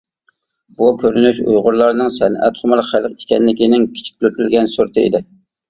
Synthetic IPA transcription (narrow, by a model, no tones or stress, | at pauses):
bukʲʰøɾynyʃṵjʁʊɾlˠɑɾnɨŋsɛnɛ̰t̪χʊmɑlˠχælˠqikʲɛnlɪkʲinɪŋkʲʰi̥t͡ʃʰi̥k̚ʲt̪ʰyɾt̪ʰɪlɡʲɛnsoɾt̪ʰɨɪ̰d̪ɪ